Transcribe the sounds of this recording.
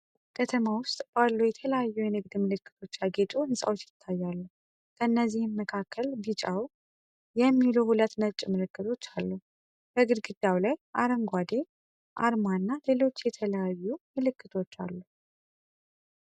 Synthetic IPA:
kʰət̪ʰəmawʊst̪ʼb̥alːujɛt̪ʰələjajːujɛnɨɡd̪mɨlɨkːɨ̥t̪ʰo̞t͡ʃːaɡet̪ʼuɨnsʼa̰wo̞t͡ʃːjɪt̪ʰːajːalːu | kʰəɨnːəzːihɨnːəkʰakʰːəlbit͡ʃʼaw | jɛmːiluhulət̪nət͡ʃʼmɨɾɨkːɨt̪ʰo̞t͡ʃːalːu | b̥əɡɨd̪ɡɨd̪awlajʔa̰ɾəŋɡʷad̪e̞ | ʔa̰ɾmanːale̞lo̞t͡ʃːjɛt̪ʰələjajːumɨlɨkːɨt̪ʰo̞t͡ʃːa̰lːu

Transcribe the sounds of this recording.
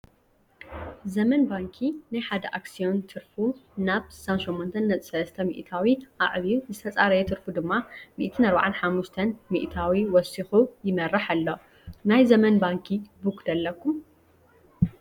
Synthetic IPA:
zɐmɐnbaŋkʰinajħad̪ɐʔaksijo̞nt̪ʰɨɾfunaβsɨ̥sanʃɛmːont̪ʰɐnːɐt͡sʼi̥sɐlɐst̪ʰɐmḭʔt̪ʰawiʔa̰ʔβiuzɨt̪ʰɐt͡sʼaɾɐjɛt̪ʰɨɾfud̪ɨmːamḭʔt̪ʰɨnɐɾba̰ʕanħamːuʃt̪ʰɐnmḭʔt̪ʰawiwɔsixujɪmɐɾːɐħalːo̞ | najzɐmɐnbaŋkʰibukd̪ɐlːɐkʰːum

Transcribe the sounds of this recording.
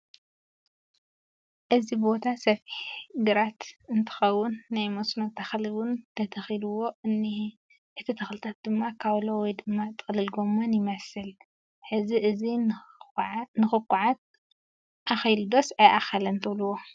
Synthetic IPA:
ʔɨzibbo̞t̪ʰasɐfiħɡɨɾat̪ɨnt̪ʰɨ̥xɐwːʊnːajmosnot̪ʰaxliwʊnt̪ʰɐt̪ʰɐxiluwo̞ʔɨnːi | ʔɨt̪ʰːɐt̪ʰɐxlɨt̪ʰat̪̚d̪ɨmːakʰawlowɔjd̪ɨmːat̪ʼɨxʼlɨlɡo̞mːonjɪmɐsɨl | ħɨziʔɨzi | nɨxɨkʼːuʕat̪̚ | ʔaxjld̪o̞sajʔaxɐlɐnt̪ʰɨβluwo

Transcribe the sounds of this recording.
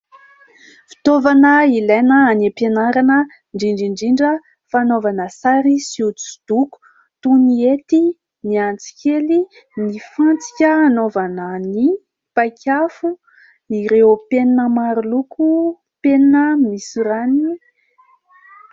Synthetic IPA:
fi̥t̪ovanəilajnəːnepenaɾanə | ɳɖ͡ʐiɳɖ͡ʐiɳɖ͡ʐiɳɖ͡ʐə | fanovanəsaɾisiut͡su̥d̪̥uku̥ | t̪uniet̪i | niant͡si̥kʲeli | nifãnt͡si̥kʲəanovanəni | pajkʰʲafu | iɾeopeninəmaɾulukʰu | peninəmisuɾani

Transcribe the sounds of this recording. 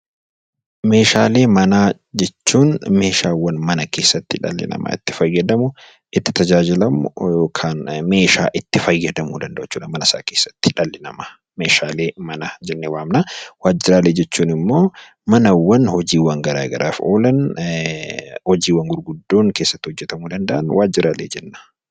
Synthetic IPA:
me̞ːʃaːle̞ːmɐnaː | d͡ʒɛt͡ʃːuːnme̞ːʃaːwːɐnmɐnɐke̞ːsːɐt̪ːɪᶑɐ̰lːɪ̰nɐ̰ma̰ːɪ̰t̪ːɪ̥fɐjːɐd̪ɐmʊ | ʔɪt̪ːɪ̥t̪ɐd͡ʒaːd͡ʒɪlɐmʊjoːkʰaːnme̞ːʃa̰ːʔɪt̪ːɪfɐjːɐd̪ɐmuːd̪ɐnd̪ɐʔʊt͡ʃːuːᶑɐmɐnɐsa̰ːke̞ːsːɐ̥t̪ːɪ̥ᶑɐlːɪnɐ̰mɐ | me̞ːʃaːle̞ːmɐnɐd͡ʒɛnːewaːmnawaːd͡ʒːɪɾaːleːd͡ʒɛt͡ʃːuːnɪmːo̞ː | mɐnɐwːɐnhɔd͡ʒiːwɐŋɡɐɾa̰ːɡɐ̰ɾʔaːfo̞̰ːlɐn | hɔd͡ʒiːwɐŋɡʊɾɡʊd̪ːo̞ːŋkeːsːɐt̪ːɪhɔd͡ʒːɛt̪ɐmuːd̪ɐnd̪ɐʔɐnwʔaːd͡ʒɪɾʔaːleːd͡ʒɛnːḁ

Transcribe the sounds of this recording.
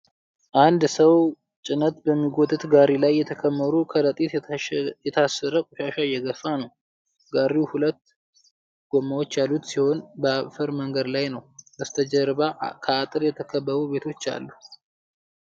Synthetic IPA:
ʔand̪səw | t͡ʃʼɪnət̪bəmːiɡot̪ʰʼɨt̪ɡaɾilajːɛt̪ʰəkʰəmːəɾukʰəɾət̪ʼit̪jɛt̪ʰasːəɾəkʼuʃaʃajːɛɡəfanəw | ɡaɾiuhulət̪ː | ɡ̥omːawo̞t͡ʃːjalːut̪siho̞nbəaβfəɾməŋɡəd̪lajnəwəst̪ʰəd͡ʒəɾβakʰəat̪ʼɨɾjɛt̪ʰəkʰəbːəβube̞t̪ʰo̞t͡ʃːa̰lːu

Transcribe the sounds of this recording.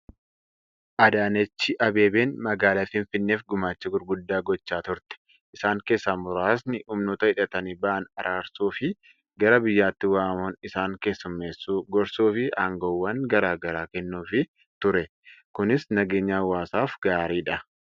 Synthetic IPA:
ʔɐd̪aːnɛt͡ʃːɪʔɐbe̞ːbe̞ːnmɐɡaːlaːfɪɱfɪnːeːfɡʊmaːt͡ʃːɪɡʊɾɡʊd̪ːaːɡɔt͡ʃːaːt̪ʊɾt̪ɛ̥ | ʔɪsaːŋke̞ːsːaːmʊɾaːsnɪhʊmnoːt̪ɐɪᶑɐt̪ɐnibɐʔɐnɐɾʔaːɾsuːfɪ | ɡɐɾɐbɪjːaːt̪ːɪwaːmoːnɪsaːŋke̞ːsːʊmːeːsːuːɡɔɾsuːfɪʔaːŋɡoːwːɐŋɡɐɾaːɡɐɾaːkɛnːuːfɪ | t̪ʊɾɛ | kʊnɪsnɐɡe̞ːɲːaːwaːsaːfɡaːɾiːᶑɐ

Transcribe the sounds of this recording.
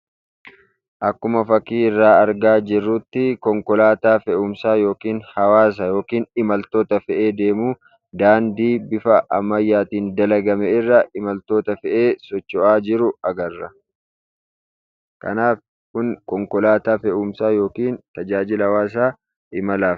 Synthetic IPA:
ʔɐkːʊmɐfɐkiːɪrːaːɐɾɡaːd͡ʒɪrːʊt̪ːɪkɔŋkɔlaːt̪aːfɛʔʊmsaːjo̞ːkiːnhɐwaːs̬ɐjo̞ːkiːnɪmɐlt̪o̞ːt̪ɐfɛʔe̞ːd̪e̞ːmuː | d̪aːnd̪iːbɪfɐʔɐmːɐjːaːt̪iːnd̪ɐlɐɡɐmɛɪrːɐʔɪmɐlt̪o̞ːt̪ɐfɛʔe̞ːsɔt͡ʃːɔʔaːd͡ʒɪɾʊɐɡɐrːɐ | kɐ̰naːf | kʊnkɔŋkɔlaːt̪aːfɛʔʊmsaːjo̞ːkiːnt̪ɐd͡ʒaːd͡ʒɪlɐɐwaːs̬aː | ʔɪmɐlaːf

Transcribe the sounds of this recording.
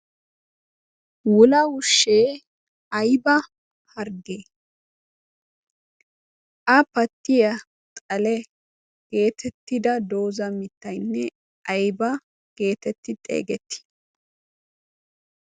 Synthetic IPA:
wʊlɐwʊʃːeː | ɐjbɐ | hɐɾɡeː | ʔɐpɐt̪ːɪjɐ | t̪ʼɐlɛ | ɡ̥e̞ːt̪ʰɛt̪ːɪd̪ɐd̪o̞ːzɐmɪt̪ːɐjnːɛ | ʔɐjbɐ | ɡ̥e̞ːt̪ɛt̪ːɪt̪ʼḛːɡɛt̪ːɪ̥

